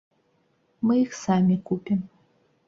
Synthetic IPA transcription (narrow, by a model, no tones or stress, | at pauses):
mɨixsamʲikʷupʰʲim